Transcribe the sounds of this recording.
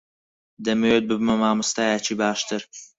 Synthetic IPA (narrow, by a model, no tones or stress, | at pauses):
d̪ɐmet̪̚bɨbmɐmaːmɨst̪aːjat͡ʃʰibaːʃt̪ʰɨɾ